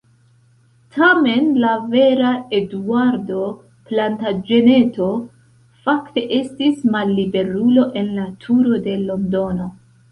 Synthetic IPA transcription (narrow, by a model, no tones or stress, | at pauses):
tʰame̞nlave̞ɾae̞duaɾdo̞ | plantad͡ʒe̞ne̞to̞ | fakte̞ʔe̞stismalːibe̞ɾulo̞ʔe̞nlatʰuɾo̞de̞lo̞ndo̞no̞